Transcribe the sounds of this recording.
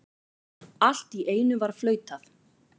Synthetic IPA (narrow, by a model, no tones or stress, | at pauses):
al̥t̪iʔeːjnʏvaɾ̥flœːɥt̪aθ